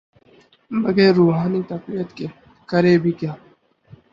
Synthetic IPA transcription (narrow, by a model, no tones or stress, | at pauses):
mɐɡeːɾːuːɦaːnit̪ɐqbijət̪ke | kɐɾeːbʱikjaː